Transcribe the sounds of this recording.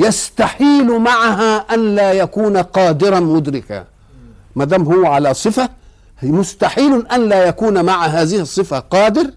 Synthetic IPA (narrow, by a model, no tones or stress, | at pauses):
jast̪aħiːlmaʕaɦaːʔanlaːjakuːnaqɑːd̪ɪɾɑnmʊd̪ɾɪka̰ | maːd̪aːmɦʊwːʕalaːsˤɨfa | mʊst̪aħiːlʊʔanlaːjakuːnmaʕaɦaːzɪhɨsˤːɨfaqɑːd̪ɪɾ